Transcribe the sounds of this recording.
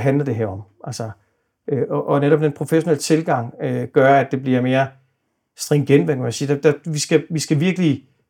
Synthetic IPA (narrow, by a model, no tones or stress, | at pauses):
ɦænlɐd̥e̝ɦæɐɒ̽mʔælsə | øʔɒʔɒ̽neɾɒ̽b̥̚d̥enpʰʁo̝feɕo̝nelət͡sʰe̝lɡ̥ɑ̈ŋ̰øɡ̥ɶɐæd̥e̝b̥liɐme̝ːɐ | sd̥ʁeŋɡ̥enʋekʰmænsiːd̥æd̥æʋisɡ̥æʋisɡ̥æʋiɐɡ̥əli